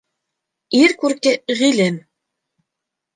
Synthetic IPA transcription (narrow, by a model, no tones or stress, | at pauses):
iɾkurkĕʁilʲen